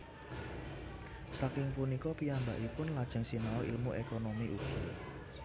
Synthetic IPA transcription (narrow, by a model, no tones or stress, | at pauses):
sakɪŋpunikɔpiamba̰ʔipʊnlad̥ʒ̥ə̤ŋsinaɔʔḭlmuʔekonomiʔuɡ̥i